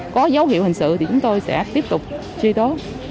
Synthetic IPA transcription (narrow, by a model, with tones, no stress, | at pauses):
kɔ˨˦zə˨˦wɦḭ˧əwhï˨˩ŋ̟sɨ̰˧˨t̪ʰi˨˩t͡ɕʊ˨˦ŋ͡mt̪o˧jsɛ̰˧˥t̪i˦˥əp̚t̪ʊ˨˩k͡p̚ | t͡ɕi˧t̪o˨˦